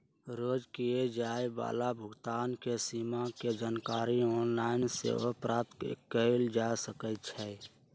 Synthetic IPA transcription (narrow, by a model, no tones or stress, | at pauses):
ɾoːd͡ʒkied͡ʒaːeba̰ːlabʱʊɡt̪aːnkesimaked͡ʒaːnkaːɾiɔːnlaɪnsḛopɾaːt̪kəild͡ʒasəkət̪t͡ʃʰɛ